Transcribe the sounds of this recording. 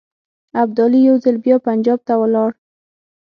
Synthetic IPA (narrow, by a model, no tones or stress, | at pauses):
ab̚d̪ɑlijawzɪlbjɑpand͡ʒɑb̚t̪awəlɑɽ